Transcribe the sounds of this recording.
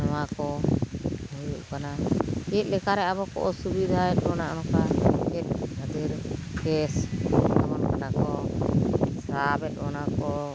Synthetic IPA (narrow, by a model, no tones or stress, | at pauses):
nɔwakɔ | ɦujuʔkanaɛt̪̚lɛkaɾɛabɔkɔ̰ʔɔsubid̪ʱaɛt̪̚ˀwɔnaʔɔnɔkaɛt̪̚nəd̪iɾkɛsa̰bɔnkanakɔ | sabɛt̪̚ˀbɔnakɔ